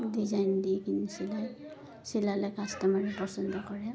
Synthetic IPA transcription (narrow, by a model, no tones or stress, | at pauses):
dizajndikinisila | silalɛkastɔmaɹɛpɔsɔnd̪ɔkɔɹɛ